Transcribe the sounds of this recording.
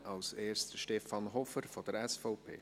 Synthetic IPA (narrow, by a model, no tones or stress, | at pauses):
ʔɑlseːɾstəʃtɛfɑnɦɔfəɾfɔd̥̪əɾɛsfɔʊpʰḛː